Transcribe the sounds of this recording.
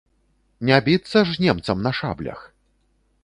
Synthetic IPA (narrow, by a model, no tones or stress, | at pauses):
nʲabʲit̪sːɐʐnʲɛmt̪sɐmnɐʂa̰blʲɐ̰x